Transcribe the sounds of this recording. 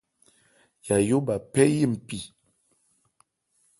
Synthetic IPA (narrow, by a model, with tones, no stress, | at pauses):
ja˨jo˦ba˨pɛ˦ji˦˨m̩˨pi˨